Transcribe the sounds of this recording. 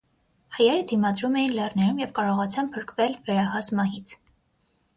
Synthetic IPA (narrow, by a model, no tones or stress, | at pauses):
hɑjɛɾəd̪imɑd̪ɾumɛjinlɛrnɛɾumjɛvkɑɾɔʁɑt͡sʰɑmpʰəɾkvɛlvɛɾɑhɑsmɑɦit͡sʰ